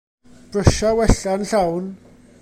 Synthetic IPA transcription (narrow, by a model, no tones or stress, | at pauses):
b̥rəʃawɛɬanɬawn